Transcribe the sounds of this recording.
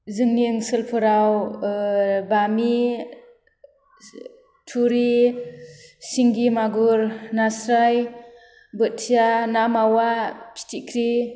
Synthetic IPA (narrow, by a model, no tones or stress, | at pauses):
zɯŋniɯŋsɯlpʰɯɾaw | bami | tʰuɾi | siŋɡimaɡuɾnasɾaj | bɯt̚tʰijanamawapʰi̥tʰikʰɾi